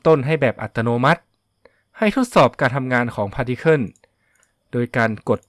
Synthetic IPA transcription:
t̪o˥˩nɦa˥˩jbɛː˨˩p̚ʔa̰˨˩t̪ːa˧noː˧ma˦˥t̪̚ | ha˥˩jt̪ʰo˦˥t̪̚sɔː˨˩p̚kaː˧nt̪ʰa˧mŋaː˧nkʰɔː˩˦ŋpʰaː˧di˦˥kʰɤ˥˩n | doː˧jkaː˧nko˨˩t̪̚

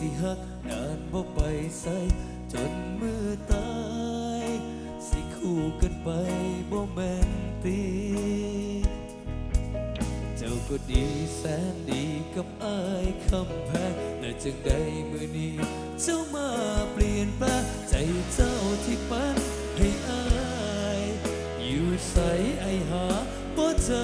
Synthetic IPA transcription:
t̪ʰiː˧˩ɦa˧˩k̪̚ | naː˨˥nbɔː˧˩pa˨˧jsa˧˥j | t͡ɕo˨˧˥nmɯː˧˩˧t̪a˧ | j | si˧˥kʰuː˧˩ka˧˩npa˧jbɔː˧˩mɛː˧˥nt̪i˧˥ | t͡ɕa˧˩wkɔː˧˩diː˨˩sɛː˧˥ndiː˨˦ka˧˩p̚ʔaː˧˩jkʰa˧mpʰɛː˧˩k̚lɛː˨˧˩t͡ɕa˧ŋda˧jmɯː˧niː˦˧˥ | t͡ɕa˧˩wmaː˧˩pli˧ənpaː˧˥˩ | t͡ɕa˨˦jt͡ɕa˧˩wt̪ʰiː˧˩pa˧˥n | ha˧˩jʔaː˧˥ | j | juː˨˩sa˨˦jʔa˧˩jɦaː˨˦ | bɔː˧˥t͡ɕa˧

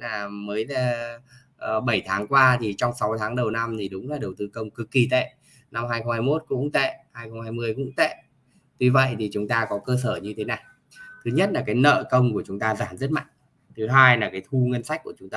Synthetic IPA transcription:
naː˨˩məː˨˦jla˨˩˨ | ɓə˧˩jt̪ʰaː˨˦ŋkwaː˧t̪ʰi˨˩t͡ɕɔ˧wŋ͡msa˨˦wt̪ʰaː˨˦ŋɗə˨˩wna˧mt̪ʰi˨˩ɗʊ˨˦ŋ͡mlaː˨˩ɗə˨˩wt̪ɨ˧kə˧wŋ͡mkɨ˨˩kːi˨˩t̪ḛ˧˨ | na˧mhaː˧jxə˧ŋ͡mhaː˧jmo˦˥t̚kʊ̰˧˥ŋ͡mt̪ḛ˧˨haː˧jxə˧ŋ͡mhaː˧jmɨ˧əjkʊ̰˧˥ŋ͡mt̪ḛ˧˨ | t̪wi˧və̰˧˨jt̪ʰi˨˩t͡ɕʊ˨˦ŋ͡mt̪aː˧kɔ˨˦kəː˧səː˧˩ɲɨ˧t̪ʰe˨˦naː˨˩j | t̪ʰɨ˨˦ɲə˦˥t̚laː˨˩kaː˨˦jnə̰ː˧˨kə˧wŋ͡mku˧˩ət͡ɕʊ˨˦ŋ͡mt̪aː˧zaː˧˩mzə˦˥t̚ma̰˧˨jŋ̟ | t̪ʰɨ˨˦ɦaː˧jlaː˨˩kaː˨˦jt̪ʰu˧ŋə˧nsa˦˥jk̟̚ku˧˩ət͡ɕʊ˨˦ŋ͡mt̪aː˧

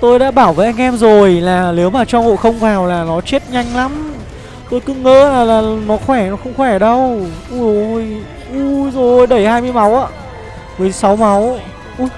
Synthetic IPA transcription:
t̪o˧jɗa̰ː˧˥ɓaː˧˩wvəː˨˦ʔa˧jŋ̟ʔɛ˧mzo˨˩jlaː˨˩ne˨˦wmaː˨˩t͡ɕɔ˧ŋho̰˧˨jxə˧wŋ͡mfaː˨˩wlaː˨˩nɔ˨˦t͡ɕe˦˥t̚ɲa˧jŋ̟la˨˦m | t̪o˧jkɨ˧˥ŋə̰ː˧˥laː˨˩laː˨˩nɔ˨˦xwɛ˧˩nɔ˨˦xə˧wŋ͡mxwɛ˧˩ɗə˧wʔu˧˩˧j | ʔu˧˩zo˨˩jjɗə˧˩jhaː˧jmɨ˧əjma˨˦wʔa̰ː˧˨ | vəː˨˦jsa˨˦wma˨˦w | ʔu˧˦

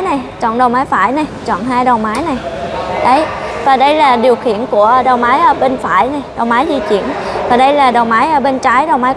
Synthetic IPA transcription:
na˨˩jt͡ɕɔ̰˧˨nɗə˨˩wmaː˨˦jfa̰ː˧˩jna˨˩jt͡ɕɔ̰˧˨nɦaː˧jɗə˨˩wmaː˨˦jna˨˩jɗə˨˦jvaː˨˩ɗə˧jlaː˨˩ɗi˨˩əwxḭ˧˨ənku˧˩ə˧ɗə˨˩wmaː˨˦jʔəː˧˦ɓe˧nfa̰ː˧˩jna˨˩jɗə˨˩wmaː˨˦jzi˧t͡ɕḭ˧˩˨ənvaː˨˩ɗə˧jlaː˨˩ɗə˨˩wmaː˨˦jʔəː˧˩ɓe˧nt͡ɕaː˨˦jɗə˨˩wŋ͡mmaː˨˦

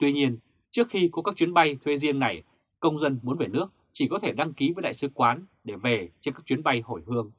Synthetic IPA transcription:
t̪wi˧ɲi˧ən | t͡ɕɨ˦˥ək̚xi˧kɔ˨˦kaː˦˥k̚t͡ɕwi˨˦ənɓa˧jt̪ʰwe˨˧˦zi˧əŋna˨˩j | kə˧wŋ͡mzə˧nmu˨˦ənve˨˩nɨ˦˥ək̚t͡ɕi˧˩kɔ˨˦t̪ʰe˧˩ɗa˧ŋki˨˦vəː˨˦jɗa̰ː˧˨sɨ˨˦kwaː˨˦nɗe˧˩ve˨˩t͡ɕnkaː˦˥k̚t͡ɕwi˨˦nɓa˧jho˧˩jhɨ˧əŋ

